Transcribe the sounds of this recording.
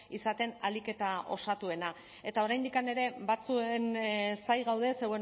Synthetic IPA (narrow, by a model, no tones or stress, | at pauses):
isat̪e̞na̰like̞t̪ao̞̰sat̪ue̞na | e̞t̪ao̞ɾajnd̪ikane̞ɾe̞bat͡suensajɣawðe̞sewe